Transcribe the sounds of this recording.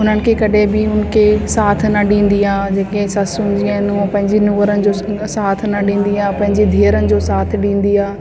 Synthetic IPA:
ʊn̤ənɪ̆kʰekɐɗẽbɪʊn̆kʰesaːt̪ʰnɐɗĩːnd̪iaːd͡ʑeːkesɐsund͡ʑiãɪnũpɐ̃ɦɪ̃ɲd͡ʑenʊ̃ʋəɾənɪ̆d͡ʑoːsaːt̪ʰnɐɗĩːn̆d̪iaːpɐ̃ɦɪ̃ɲd͡ʑed̪ʱiːəɾənɪ̆d͡ʑoːsaːt̪ʰɗĩːn̆d̪iaː

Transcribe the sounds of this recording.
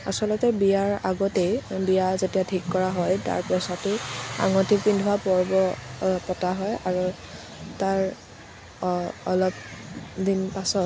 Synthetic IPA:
a̰sɔlɔtɛbijaɹa̰ɡɔtejbijazetijatʰikːɔɹaɦɔjta̰ɹpɹɔsatea̰ŋɔtʰikindʱuwapɔɹbɔpɔtaɦɔjaɹu | taɹ | ɔlɔp̚dinpasɔt̚

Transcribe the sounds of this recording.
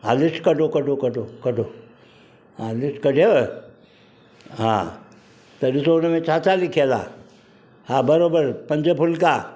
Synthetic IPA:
ɦalisʈkəʈokəʈokəʈokəʈo | ɦãlisʈkəʈeə | ɦã̰ | t̪əɗisonəmẽt͡ɕʰat͡salikʰela̰ | habəɾobəɾpəɲd͡ʑəpʰulka

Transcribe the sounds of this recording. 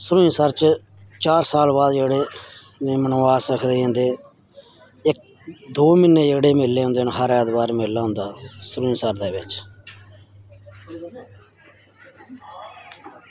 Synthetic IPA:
sʊɾuːsəɾt͡ʃt͡ʃaːɾsaːlbaːd̪d͡ʒeːɽeː | neːmənõːaːsɾəkʰd̪eːẽːnd̪eː | ɪk̚ | d̪oːmɪneːd͡ʒeːɽeːmɪlːeːɦõːnd̪eːñːɦəɾɛːd̪baːɾmɪlːaːʊ̃nd̪aːsʊɾuːsəɾd̪eːbɪt͡ʃ

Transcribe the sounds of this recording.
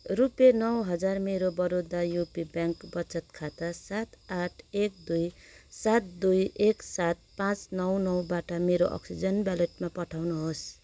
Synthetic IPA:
rupjenʌwɦʌd͡zarmeɾobʌɾod̪ajupibjaŋkbʌt͡sʌt̪kʰat̪asat̪aʈʰek̚d̪ujsat̪̚d̪ujeksat̪̚pãt͡snʌwnʌwbaʈʌmeɾoʔʌ̰ksid͡zʌnbjaleʈ̚mapʌʈʰawnuɦos

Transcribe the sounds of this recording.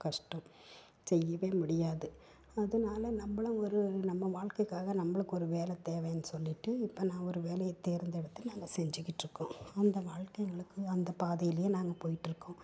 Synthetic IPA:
kɐʂʈɐ̃m | sɛjːɐʋeːmʊɽɪjaːðɯ | ɐðɯnaːlɐnɐmbɐɭɐ̃ɔɾɯnɐmːɐʋaːɻkɐɪkːaːɣɐnɐmːɐɭɯkːɔɾɯʋeːlɛt̪eːʋẽːɐnːɯsɔlːɪʈːɯɪpːonãːɔɾɯʋeːlɐjɐt̪ːeːɾɯnd̪ɛɽɐt̪ːɯnaːŋɡɐsɛɲd͡ʒɪkːɪʈːɾɯkːõɐnd̪ɐʋaːɻkɐɪŋɡɐɭɯkːɯɐnd̪ɐpaːðɐjɪlɐjeːnaːŋɡɐpoːjɪʈːɾɯkːõ

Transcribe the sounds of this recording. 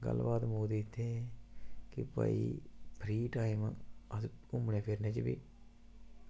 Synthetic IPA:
ɡə̰lːbaːt̪moːd̪iːɪt̪ʰːe | kɪpə̰ḭːpʰɾiːʈaːɪməəsʊmɽẽːpʰɪɾnẽːt͡ʃbḭː

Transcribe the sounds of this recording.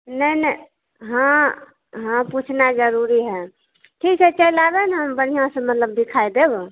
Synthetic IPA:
nənə | ɦə̃ | ɦãput͡ʃʰnad͡ʒəɾuɾiɦɛ | ʈʰikɦɛt͡ʃəlabɛnɦəmbəɽ̤ijãsə̃mət̪ləbd̪ikʰajd̪eb

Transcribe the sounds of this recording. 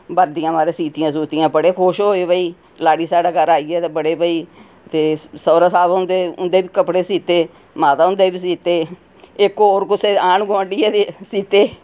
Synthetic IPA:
bəɾd̪ɪjãːmaːɾeːsiːt̪ɪjãːs̬uːt̪ɪjãːbəɽeːkʰoːʃɦoːeːbəiː | laːɽiːsaːɖaːɡəɾaːiːɛːt̪ebəɽeːbəiː | t̪eːsəːɾasaːbʊ̃nd̪eːʊ̰nd̪eːbiːkəpɽeːsiːt̪eː | maːt̪aːʊ̃nd̪eːbiːs̬iːt̪eː | ekoːɾkʊseːaːɳɡoəɳɖiːɛːt̪esiːt̪eː

